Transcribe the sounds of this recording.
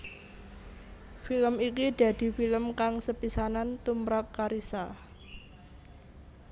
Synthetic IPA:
filəmikid̪̥ä̤d̪̥i̤filəmkaŋsəpisanant̪umɾap̚kaɾisa

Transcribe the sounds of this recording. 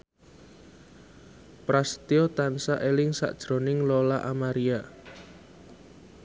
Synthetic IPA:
pɾast̪iot̪ansaʔelɪŋsa̰ʔd̥ʒ̥ɾo̤nɪŋlolaʔamaɾia

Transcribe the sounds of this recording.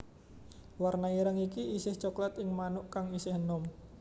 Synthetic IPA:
warnajiɾaŋikiisɪht͡ʃoklat̪ɪŋmanʊʔkaŋisɪhnɔm

